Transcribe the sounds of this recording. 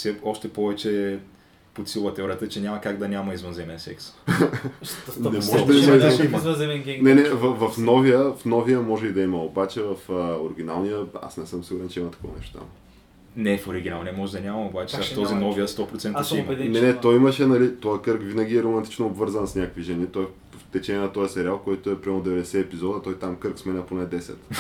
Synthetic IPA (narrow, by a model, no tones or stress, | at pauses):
fsɛɔʃt̪ɛpɔvɛt͡ʃɛ | pot̪silˠət̪ɛɔɾʲiət̪ət͡ʃɛnʲamɐkaɡd̪ɐnʲamɐizvənzɛmɛnsɛ̰ks | nɛmɔʒɛd̪ɐimɐizzɛmɛŋnɛnɛvɐvɐfnɔvijəfnɔvijəmɔʒɛid̪ɐiməobat͡ʃɛvɐfəoɾiɡ̟ʲinalˠnijəa̰snɛsɤmsiɡuɾɛnt͡ʃɛimɐt̪ɐ̥kɔvɐ̰nɛ̰ʃt̪t̪a̰m | nɛfoɾiɡʲinalˠniəmɔʒɛd̪ɐnʲamɐmobat͡ʃɛ̥ft̪ɔzinɔvijəst̪ɔpɾot̪sɛnt̪əsʃɛimnɛnɛt̪ɔjimɐʃɛnɐlit̪ɔjəkɤɾkvinɐɡ̟ʲiɛɾomɐnt̪i̥t͡ʃnoːbvɤɾzənsnʲakəkviʒɛnit̪ɔɛ | ft̪ɛt͡ʃɛnʲiɛnɐt̪ɔjəsɛɾialˠkɔjt̪oɛpɾiamod̪ɛvɛd̪ɛsɛːpizɔd̪ət̪ɔjt̪amkɤɾksmɛnɛponɛd̪ɛsɛ̰t̪